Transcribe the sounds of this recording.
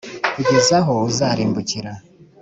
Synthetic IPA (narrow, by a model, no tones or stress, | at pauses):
kuɟezaɦo̞uzaːɾiːmbuciɾa